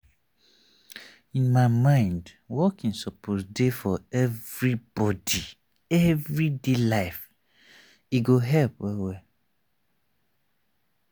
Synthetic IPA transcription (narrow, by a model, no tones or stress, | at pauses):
ĩnmaɪmãɪ̃nd | wɔkĩnsɔpʰɔsdefɔɛvɹib̥ɔdi | ɛvɹidelaɪf | iɡoɦɛlpwɛwɛ